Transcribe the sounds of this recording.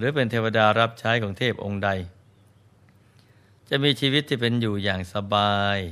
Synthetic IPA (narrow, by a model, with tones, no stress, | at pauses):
ɾɯː˩˦pe˧nt̪ʰeː˧wa˧daː˧ɾa˦˥p̚t͡ɕʰaː˦˥jkʰɔː˩˦ŋt̪ʰeː˥˩p̚ʔo˧ŋda˧j | t͡ɕa˨˩ʔmiː˧t͡ɕʰiː˧wi˦˥t̪ʰːiː˥˩pe˧njuː˨˩jaː˨˩ŋsa˧baː˧j